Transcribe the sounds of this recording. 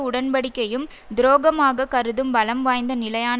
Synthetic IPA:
ʊɽɐnbɐɽɪkːɐjɯm | d̪ɪɾoːɣɐmaːɣɐkɐɾɯðɯmbɐlɐmʋaːjnd̪ɐnɪlɐjaːn

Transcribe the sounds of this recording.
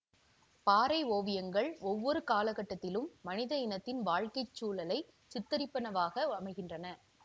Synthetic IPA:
paːɾɐɪoːʋɪjɐŋɡɐɭɔʋːɔɾɯkaːlɐɣɐʈːɐt̪ːɪlɯmːɐnɪðɐɪnɐt̪ːɪnʋaːɻkɐɪt͡ʃːuːlɐlɐɪ | sɪt̪ːɐɾɪpːɐnɐʋaːɣɐɐmɐɪɣɪndrɐnɐ

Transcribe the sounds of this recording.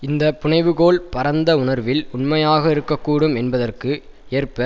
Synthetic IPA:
ɪnd̪ɐpʊɳɐɪʋɯɣoːɭpɐɾɐnd̪ɐʊɳɐɾʋɪlʊnmɐjaːɣɐɪɾɯkːɐkːuːɽɯmɛnbɐðɐrkɯ | eːrpɐ

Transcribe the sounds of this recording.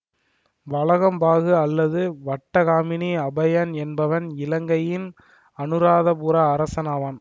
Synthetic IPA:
ʋɐɭɐɣɐmbaːɣɯɐlːɐðɯʋɐʈːɐɣaːmɪniɐbɐjɐnɛnbɐʋɐnɪlɐŋɡɐjɪn | ɐnɯɾaːðɐpuɾɐːɾɐsɐnaːʋaːn

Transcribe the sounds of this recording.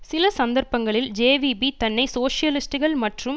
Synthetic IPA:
sɪlɐsɐnd̪ɐɾpɐŋɡɐɭɪld͡ʒeːʋibit̪ɐnːɐɪsoːʂɪjɐlɪsʈɯɣɐɭmɐʈrɯm

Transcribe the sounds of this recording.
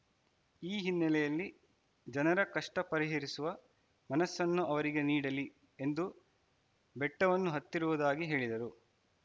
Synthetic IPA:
iːɦinːɐlɛjɐlːi | d͡ʒɐnɐɾɐkɐʂʈɐpɐɾiɦeɾisuʋɐ | mɐnɐsːɐnːuʔɐʋɐɾiɡe̞niːɽɐli | e̞nd̪u | bɛʈːɐʋɐnːuɦɐt̪ːiɾuʋud̪aːɡiɦe̞ːɭid̪ɐɾu

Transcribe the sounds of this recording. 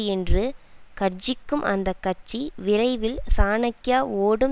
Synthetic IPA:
ɛndrɯkɐɾd͡ʒɪkːɯmʔɐ̰nd̪ɐkːɐʈt͡ʃːiʋɪɾɐɪʋɪlsaːnɐkːɪjaːoːɽɯm

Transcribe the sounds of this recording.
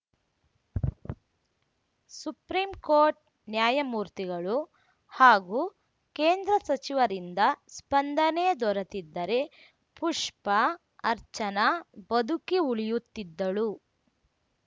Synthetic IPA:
supɾiːmkoːɾʈ̚ | njaːjɐmuːɾt̪iɡɐɭu | haːɡuː | keːnd̪ɾɐsɐt͡ʃiʋɐɾind̪ɐspɐnd̪ɐneːd̪ɔɾɐt̪id̪ːɐɾe̞ | puʂpɐː | ɾt͡ʃɐnɐbɐd̪ukiuɭijut̪ːid̪ːɐɭu

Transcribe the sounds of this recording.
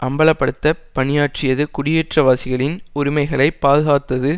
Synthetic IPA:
ʔɐmbɐɭɐpːɐɽɯt̪ːɐpɐɳɪjaːʈ̚t͡ʃɪjɐðɯkʊɽɪjɛʈrɐʋaːsɪɣɐɭɪnʊɾɪmɐɪɣɐɭɐɪpːaːðɯɣaːt̪ːɐðɯ

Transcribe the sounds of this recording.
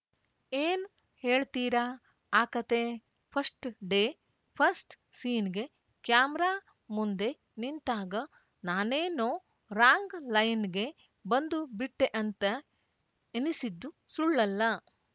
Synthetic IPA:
eːnu | he̞ːɭt̪iːɾa | aːkɐt̪e | pʰɐsʈɖeː | pʰɐɾsʈ | siːnɡe̞ | kjaːmɾaː | mund̪e̞ | nint̪aːɡɐ | naːneːnoː | ɾaːŋɡlɐjnɡe̞ | bɐnd̪ubiʈːeʔɐnt̪ɐ | enisid̪ːu | suɭːɐlːɐ

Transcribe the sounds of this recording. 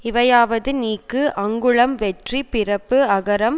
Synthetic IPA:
ɪʋɐjaːʋɐðɯniːkːɯʔɐŋɡɯɭɐmʋɛʈripɪrɐpːɯɐɣɐɾɐm

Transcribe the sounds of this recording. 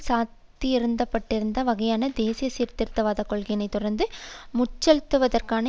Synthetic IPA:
saːtt̪ːiɪɾɯnd̪ɐpːɐʈːɪɾɯnd̪ɐʋɐɣɐjaːnɐd̪eːsɪjɐsiːɾt̪ɪɾt̪ːɐʋaːðɐkɔɭɣɐjɐnɐɪt̪ːʊɾɐɾnd̪ɯmʊt͡ʃːɐlt̪ːɯʋɐðɐrkaːnɐ

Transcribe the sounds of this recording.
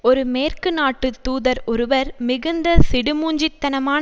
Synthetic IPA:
ɔɾɯmeːrkɯnaːʈːɯt̪uːðɐɾɔɾɯʋɐɾmɪɣɯnd̪ɐsɪɽɯmuːɲd͡ʒɪt̪ːɐnɐmaːn

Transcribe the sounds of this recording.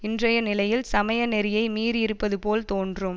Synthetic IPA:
ɪndrɐjɐnɪlɐjɪlsɐmɐjɐnɛɾɪjɐɪmiːɾɪɾɯpːɐðɯpoːlt̪oːndrɯm

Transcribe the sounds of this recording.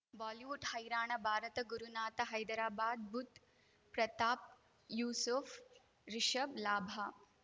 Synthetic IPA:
ʋaːliʋuʈhɐjɾaːɳɐbʱaːɾɐt̪ɐɡuɾunaːt̪ɐɦɐjd̪ɾaːbaːd̪̚bʱut̪ | pɾɐt̪aːp̚ | juːsuf | ɾiʃɐblaːbʱa

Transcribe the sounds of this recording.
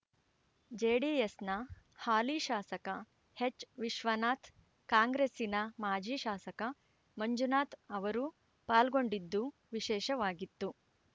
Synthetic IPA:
d͡ʒeːɖiːjesnɐ | haːliːʃaːsɐkɐ | het͡ʃːʋiʃʋɐnaːt̪ʰ | kaːŋɡɾeːsinɐmaːd͡ʒiːʃaːsɐkɐ | mɐɲd͡ʒunaːt̪ɐʋɐɾu | paːlɡo̞ɳɖid̪ːu | ʋiʃɛːʃɐʋaːɡit̪ːu

